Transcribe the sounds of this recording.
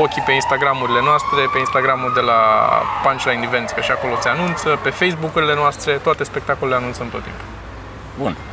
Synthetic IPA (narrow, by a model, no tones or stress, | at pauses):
okʲipe̞inst̪aɡɾamuɾile̞noast̪ɾe̞pe̞inst̪aɡɾamuld̪e̞la̰pant͡ʃlajnive̞nt̪skəʃiako̞lo̞seanunt̪səpe̞fejsbukuɾile̞noast̪ɾe̞t̪oat̪e̞spe̞k̚t̪akoleleanunt̪səɨnt̪o̞t̪ːḭmpu̥ | bun